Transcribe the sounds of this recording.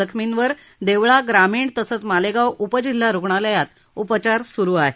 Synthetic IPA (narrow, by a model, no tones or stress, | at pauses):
əkʰminʋəɾ | d̪eʋɭaɡɾamiːɳt̪əsət͡smaleɡawupəd͡ʑilːaɾoɡɳaləjat̪ | upt͡ɕaɾsuɾuːaɦe